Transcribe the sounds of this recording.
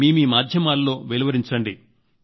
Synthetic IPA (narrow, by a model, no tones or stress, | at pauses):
iːmiːmaːd̪ʱjɐmaːlːo̞ːʋeliʋɐɾiɲt͡ʃɐɳɖi